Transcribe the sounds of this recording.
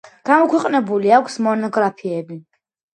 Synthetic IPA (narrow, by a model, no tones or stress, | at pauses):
ɡ̥amɔkʰwɛqʼnɛbuliakʷʰsmɔnɔɡɾapʰiɛbi